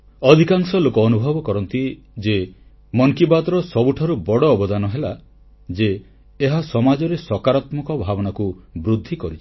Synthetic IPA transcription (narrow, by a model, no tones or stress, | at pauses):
ɔd̪ʱikaŋsɔlokɔːnubʱɔbɔkɔɾɔnt̪i | d͡ʒe | mɔŋkibad̪ɾɔsɔbuʈʰaɾubɔɽɔːbɔd̪anɔɦela | d͡ʒeː | ɦasɔmad͡ʒɔɾesɔkaɾat̪mɔkɔbʱabɔnakubɾud̪ʱːikɔɾit͡ʃʰ